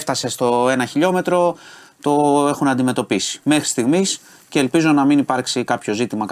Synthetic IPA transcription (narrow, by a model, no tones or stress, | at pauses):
ft̪ɐse̞st̪o̞e̞nɐçiʎo̞me̞t̪ɾo̞ | t̪o̞e̞xunɐnd̪ime̞t̪o̞pisi̥me̞xɾi̥st̪iɣmis | ce̞ːlpizonɐminipɐɾksikɐpço̞zit̪imɐk